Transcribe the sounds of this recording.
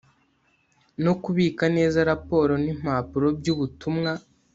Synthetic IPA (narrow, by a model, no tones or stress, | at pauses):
no̞kuβiːkane̞ːzaɾapo̞ːɾo̞nim̥aːpuɾo̞bɟuβutumŋa